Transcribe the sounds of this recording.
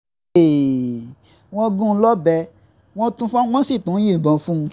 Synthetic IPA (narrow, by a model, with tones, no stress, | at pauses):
e˨ | w̃ɔ̃˦ɡũ˦˧˦lɔ˦bɛ˧ | w̃ɔ̃˦tũ˧fã˦w̃ɔ̃˦si˦˨tũ˨˦jĩ˦˨bɔ̃˨˦fũ˦˧